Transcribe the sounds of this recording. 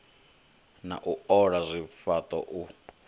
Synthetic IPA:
na̰ʔuɔɺazʷifat̪ʼɔ̰ʔu

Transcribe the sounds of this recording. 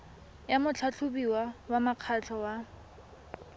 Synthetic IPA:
jamʊt͡ɬʰat͡ɬʰʊbiwawamaq͡χʰat͡ɬʰɔwa

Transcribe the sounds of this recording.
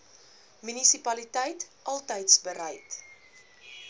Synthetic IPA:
mynisipɐlitɛjtʔɐlˠtəjtsbəɾɛjt

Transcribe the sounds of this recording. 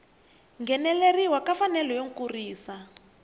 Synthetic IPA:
ŋɡɛnɛleriwakafanɛlɔjoŋkuriːsa

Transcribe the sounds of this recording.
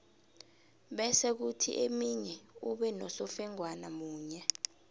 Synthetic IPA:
ɓɛsɛk̬utʰḭʔemiɲɛuɓɛnɔsɔfɛŋwanamuːɲɛ

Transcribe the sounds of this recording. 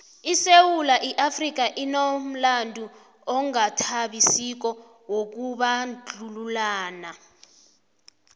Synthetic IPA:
isewulaʔiʔafrik̬aʔinom̩landʱu | ɔŋatʰaɓisik̬ɔ | wok̬uɓand͡ɮʱululaːna

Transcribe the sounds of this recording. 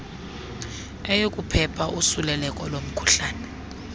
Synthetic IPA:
ɛjokʼupʰɛpʰaʔusulɛlɛkʼɔlom̩kʰu̥ɬaːnɛ

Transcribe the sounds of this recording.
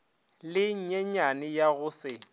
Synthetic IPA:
lɪɲ̩ɲɛɲanɪjaɣʊsɪ

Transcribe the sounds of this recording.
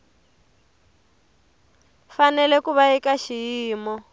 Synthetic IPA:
fanɛlɛkuβaikaʃijiːmɔ

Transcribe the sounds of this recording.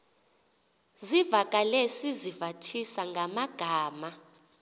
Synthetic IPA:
zivakʼalesizivatʰisaŋɡʱamaɡ̥ʱaːma

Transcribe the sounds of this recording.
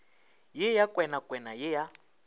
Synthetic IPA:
jɪjakʼwɛnakʼwɛnajɪja

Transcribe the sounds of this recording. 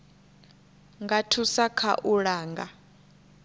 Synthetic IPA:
ŋɡatʰusakʰa̰ʔuɺaːŋɡa

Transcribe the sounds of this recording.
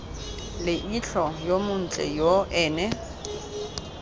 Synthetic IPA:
lɪʔiɬɔjomʊn̩t͡ɬʼɛ̰joʔɛːnɛ

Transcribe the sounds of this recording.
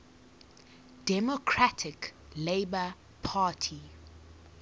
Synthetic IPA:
d̥ɛmokʰɹatʰɪkleɪbə | pʰaːtʰi

